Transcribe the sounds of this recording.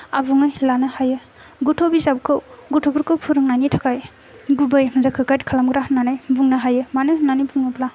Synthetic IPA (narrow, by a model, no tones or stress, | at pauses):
abuŋajlanɯhajɯ | ɡutʰobizab̚kʰɯwɡutʰoɡɯɾkʰɯwpʰuɾɯŋnajnitʰakaj | ɡubajmazakʰɯkajt̚kʰalamɡɾananajbuŋnaɦajɯmanɯnanibuŋnapla